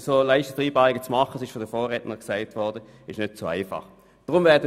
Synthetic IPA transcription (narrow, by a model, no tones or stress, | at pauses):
soːlaɪʃtəd̥ʁiːbɑːʁɪɡ̥ət͡smɑχəsɪʃfɔdəfoːʁɛtnəʁksaɪtvɔʁdə | ɪʃnøtt͡soa̰ɪfɑ̰χ | d̥ʁʊmvɛːɐdə